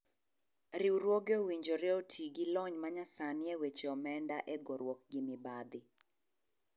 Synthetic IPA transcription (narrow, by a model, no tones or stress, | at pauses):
ɾiuɾwoɡeowiɲd͡ʒoɾɛotʰiɡilɔɲmaɲasanɪɛwet͡ʃɔmɛndaʔɛɡɔɾwɔk̚ɡɪmɪbad̪ɪ